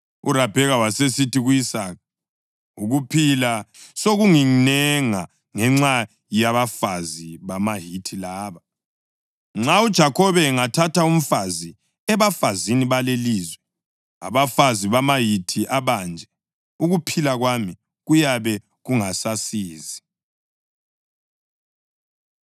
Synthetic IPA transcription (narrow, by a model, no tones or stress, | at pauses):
ṵrab̥ʱɛɣawasesitiɣuisaːk̚a | uɣupʰilasoɣuŋinɛŋa | ŋɛŋ͡ǁa | jaβafaziβamaɦitʰilaːβa | ŋ͡ǁaud̥ʒ̥ʱakʰɔβɛŋatʰatʰaum̩fazi | ɛβafaziniβaleliːzwɛ | a̰βafaziβamajitʰiʔaβand͡ʒʱɛ | uɣupʰilaɣwami | ɣujaβɛ | ɣuŋasasiːzi